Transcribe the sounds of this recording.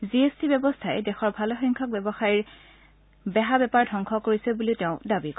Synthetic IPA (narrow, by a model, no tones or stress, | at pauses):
ziestibɛbɔstʰaɛdɛxɔɹbʱalɔxiŋkʰɔk̚bɛbɔxaɹiɹ | bɛɦabɛpaɹdʱɔŋkʰɔkoɹisɛbuliteʊ̃dabik